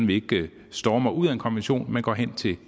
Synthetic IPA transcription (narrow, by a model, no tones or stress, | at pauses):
n̩ʋe̝e̝ɡ̥ | sd̥ɒːmɑ̈ɪuð̰ˠæe̝nkʰɒ̽nʋenɕo̝̰ːnmenɡ̥ɒ̰ːɦen̰t͡sʰe̝